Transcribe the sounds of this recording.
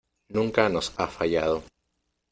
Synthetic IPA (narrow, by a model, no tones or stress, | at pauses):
nũŋkano̞safaʝað̞o